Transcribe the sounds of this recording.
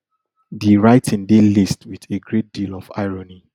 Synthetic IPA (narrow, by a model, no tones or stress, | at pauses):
diɹaɪtʰĩndelistwiðeɡɹet̚d̥ilɔva̰ɪɹɔni